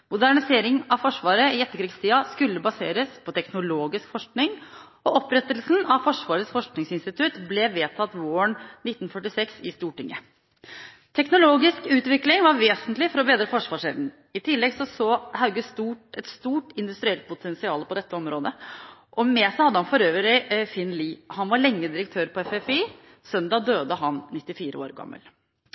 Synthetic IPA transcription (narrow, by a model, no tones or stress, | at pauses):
mʊd̪æɳɪseːɾɪŋɑʋfɔʂʋɑːɾəɪɛt̪ːəkɾiːɡst̪ʰiːɑskʉlːəbɑseːɾəspʰɔt̪ʰɛknʊloːɡɪskfɔʂknɪŋ | ɔʔɔpɾɛt̪ːəlsnɑʋfɔʂʋɑːɾəsfɔʂknɪŋsɪnst̪ɪt̪ʰʉt̪blɛʋeːt̪ʰɑt̪ʋoːəɳnɪt̪ːn̩fœʈːɪsɛksɪst̪uːʈɪŋːə̰ | t̪ʰɛknʊloːɡɪskʉːt̪ʋɪklɪŋʋɑɾʋeːsənt̪lɪfɔɾɔbeːd̪ɾəfɔʂʋɑːʂɛln | ɪt̪ʰɪlːɛɡsɔsoːhɑʉɡəst̪uːʈɛt̪st̪uːʈɪnd̪ʉst̪ɾɪɛlt̪̚pʊt̪ʰɛnsɪɑːləpɔd̪ɛt̪ːəɔmɾoːd̪əʔɔmɛːsæɪhɑd̪ːəhɑnfɔɾøːʋəɾɪfɪnliːhɑnʋɑɾɭɛŋːəd̪ɪɾək̚t̪ʰøːɾpʰɔɛfɛfiː | sœnd̪ɑːd̪øːd̪əɦɑnnɪt̪ːɪfiːɾəo̰ːɾɡɑ̰mːə̰l